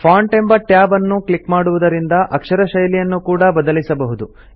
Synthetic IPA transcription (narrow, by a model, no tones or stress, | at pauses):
pʰaːɳʈembɐʈjaːbɐnːuklikmaːɽuʋud̪ɐɾind̪ɐʔɐkʂɐɾɐʃɐjlijɐnːukuːɽɐbɐd̪ɐlisɐbɐɦud̪u